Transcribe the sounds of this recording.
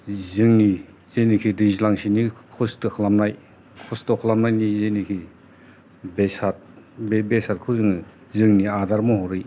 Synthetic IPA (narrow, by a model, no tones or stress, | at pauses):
zɯŋni | zejnikʰidizlaŋsinikʰɔstɯkʰlamnaj | kʰɔstɔkʰlamnajnizejnikʰi | besat̚bbesat̚kʰɯzɯŋɯ | zɯŋniadaɾmɔɦɔɾɯj